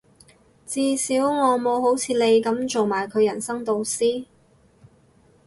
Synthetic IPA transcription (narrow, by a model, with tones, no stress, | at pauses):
t͡siː˧siː˨˥wŋɔː˨˧mo˨˧who˨˥wt͡sʰiː˨˧le˨˧jkɐ˨˥mt͡so˨wmaː˨˩jkʰɵ˨˧ɥjɐ˨˩nsɐ˥ŋt̪o˧wsiː˥